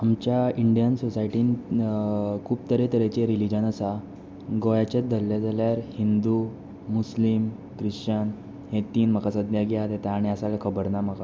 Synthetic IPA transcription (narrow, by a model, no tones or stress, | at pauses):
amt͡ɕjaiɳɖijənsosaiʈiːn | kʰuːbt̪əɾet̪əɾet͡ɕeɾilid͡ʑənəsa | ɡojat͡ɕad̪əlːjad͡zaljaɾhind̪u | muslim | kɾiɕt͡ɕən | hẽt̪iːnm̤əkasəd̪jaɡjat̪et̪aːɽ̃iasalakʰəbəɾnam̤əka